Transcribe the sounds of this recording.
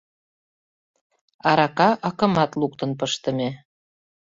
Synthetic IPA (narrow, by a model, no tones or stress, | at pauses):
ɑɾɑkɑʔɑkə̆mɑt̪luk̚t̪ə̆np̬əʃt̪ə̆me